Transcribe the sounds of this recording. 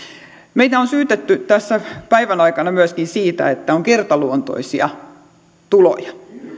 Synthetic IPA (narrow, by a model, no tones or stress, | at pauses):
meit̪æonsyːt̪et̪ːyt̪æsːæpæiʋænɑikɑnɑmyæskinsiːt̪æ̰et̪ːæoŋkert̪ɑluont̪o̰isiɑ̰ | t̪ulo̰jɑ